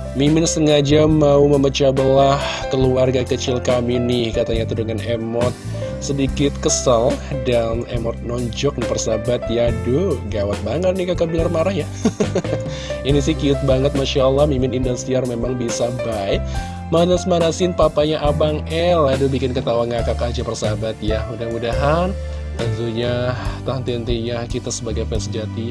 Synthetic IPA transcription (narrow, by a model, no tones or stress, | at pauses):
mimɪnsəŋad͡ʒamːauməmət͡ʃabəlahkəluarɡakət͡ʃɪlkaminɪhkat̪aɲat̪udəŋanemɔt̪̚ | sədikɪt̪̚kəsaldanemɔt̪̚nɔɲd͡ʒɔk̚nipərsabat̪̚jadʊɡawat̪̚baŋət̪̚nɪhkakabinarmaɾahja | inisɪhkiʊt̪̚baŋət̪̚maʃaəlːɑhmimɪnindɔst̪iarmemaŋbisabajk | manasmaɾasɪnpapaɲaʔabaŋɛladʊbikɪnkət̪awanŋakakad͡ʒapərsabat̪̚jamudahmudaɦan | t̪ənt̪uɲat̪aɦnt̪iənt̪iɲakit̪asəbaɡajpɛsəd͡ʒat̪i